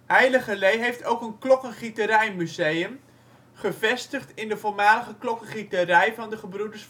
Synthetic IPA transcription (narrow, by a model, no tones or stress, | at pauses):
hɛjləχəlejɦejftowkənklɔkənχitəɾɛjmyzejəm | χəvɛstəχtɪndəvolmaːləχəklɔkənχitəɾɛjvɑndəχəbrudəɹs